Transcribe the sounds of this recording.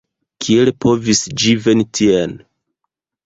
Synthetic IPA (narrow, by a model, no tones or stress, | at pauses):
kʰielpʰo̞visd͡ʒivenitʰien